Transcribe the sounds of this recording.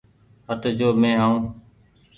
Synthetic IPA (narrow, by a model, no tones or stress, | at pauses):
ɦət̪d͡ʒoːmẽːɦaːũː